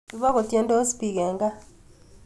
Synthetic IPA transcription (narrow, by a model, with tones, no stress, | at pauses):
i˦βa˦ko˨tje˦ndo˦spi˨ɡɛ˨ŋɡa˦